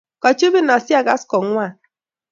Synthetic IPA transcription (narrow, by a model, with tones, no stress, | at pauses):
ka˨t͡ʃo˦bi˦na˨sja˦ɡa˦skɔ˨ŋʷ˦a˦˨